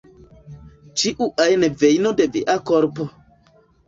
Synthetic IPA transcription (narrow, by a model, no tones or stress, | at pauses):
t͡ʃiʔuʔajnevejnodevḭʔakoɾpo